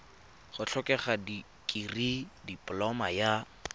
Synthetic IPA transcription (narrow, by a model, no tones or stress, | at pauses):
χʊt͡ɬʰɔkʼɛχadi | kʼiridipʼlɔmaja